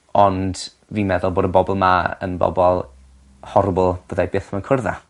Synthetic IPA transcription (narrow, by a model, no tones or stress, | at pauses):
ɔnd̥ | viːnmɛðʊlˠboːdənbɔbɔlˠmaə̰nbɔ̰bɔlˠ | hɔrbʊlˠb̥əðajbɪːθmankʰərða̰